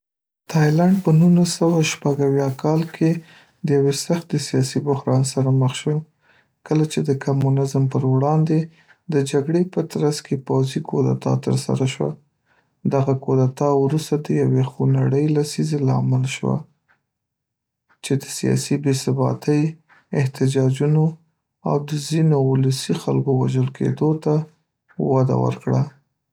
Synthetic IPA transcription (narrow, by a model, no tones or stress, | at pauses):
t̪ʰɑjlaɳɖ̚pənullasawaʃpaɡawjɑkʰɑlkʰe | d̪əjawesaxt̪esijɑsibʊhɾɑnsaɾaməxʃwo | kəlat͡ʃed̪əkamunɪzmpəɾwɽɑnd̪e | d̪əd͡ʒaɡɽepət̪ɾaskepawzikʰod̪a̰t̪ɑ̰t̪ə̰ɾsa̰ɾaʃwa̰ | d̪aɣakod̪at̪ɑwɾust̪ad̪əjawexunaɽəjlasizelɑ̰mɪlʃwa̰ | t͡ʃed̪əsijɑ̰sibesɪbɑ̰t̪əj | ɪht̪ɪd͡ʒɑd͡ʒuno | a̰wd̪əzinoʊləsixa̰lkowaʒəlkḛd̪ot̪a | wad̪a̰wə̰ɾkɽa